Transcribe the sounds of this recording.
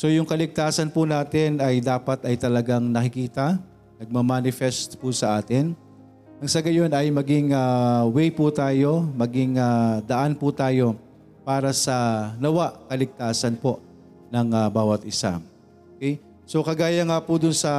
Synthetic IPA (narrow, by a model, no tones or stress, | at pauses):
so̞jʊŋkɐlɪɡ̚t̪aːsɐnpʊnaːt̪ɪnɐjd̪aːpɐt̪ɐjt̪ɐlɐɡaŋnɐkɪkiːt̪ɐ | nɐɡ̚mɐmaːnɪfɛst̪pʊsɐʔaːt̪ɪn | ʔɐŋsɐɡɐjo̞nɐjmɐɡɪŋawɛjput̪aːjo̞mɐɡɪŋad̪ɐʔanpʊt̪aːjo̞ | paːɾɐsɐnɐwaʔkɐlɪɡ̚t̪aːsɐnpo̞ʔ | nɐŋɐbaːwɐt̪ʔɪsa̰ | ʔokɛj | so̞kɐɡaːjɐŋaːpʊd̪ʊnsɐ